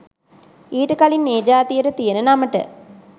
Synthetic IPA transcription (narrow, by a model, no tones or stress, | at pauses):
iːʈəkalinːeːd͡ʒaːt̪ijəʈət̪ijənənaməʈə̰